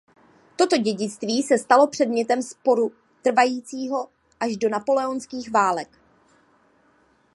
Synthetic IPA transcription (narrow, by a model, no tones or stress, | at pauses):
t̪o̞t̪o̞ɟɛɟɪt͡st̪viːsɛst̪alo̞pr̝̥ɛdmɲɛt̪ɛmspo̞ɾu | t̪r̩vajiːt͡siːɦo̞ | ʔaʒdo̞napo̞lɛonskiːxvaːlɛk